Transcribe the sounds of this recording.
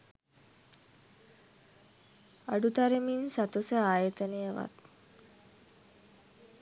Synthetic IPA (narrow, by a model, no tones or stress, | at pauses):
aɖut̪aɾeminsat̪osəaːjət̪ənejəʋa̰t̪̚